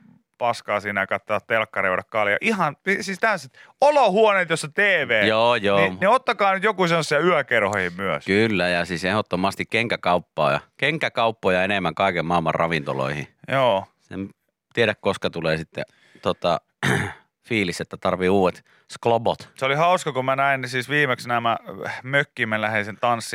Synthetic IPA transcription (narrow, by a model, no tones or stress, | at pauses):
pɑskɑːsiːnæjɑkɑt̪ːoɑt̪t̪elkːɑreuɾɑkkɑljɑ̰ʔihɑnisiːst̪æset̪ | olohuoneːt̪josːɑt̪eːʋeːjoːjoːneot̪ːɑkɑːnyt̪jokusenːosːiɑyœkerhoihimmyøskylːæjɑsiːsehot̪ːomɑst̪ikkeŋkækɑupːɑ̰ːjɑ̰keŋkækɑupːoːjɑenemːæŋkɑˑikemmɑˑelmɑ̰rrɑ̰ʋint̪o̰lo̰ihḭjoːsḛm | t̪ieɾækkoskɑt̪uleːsit̪ːḛ | t̪ot̪ɑ | fiːliset̪ːæt̪ɑrʋiuːʋet̪ | sklobot̪seolihɑuskɑkumænæinsiːsʋiːmeksnæmæmøkːimelæhinsent̪ɑnsːi